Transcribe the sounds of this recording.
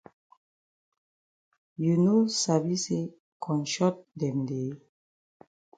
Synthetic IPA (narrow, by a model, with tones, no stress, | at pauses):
ju˨no˦sa˨bi˦se˦ | kʰɔ̃˨nʃɔ˦t̚dɛ˨mde˨˦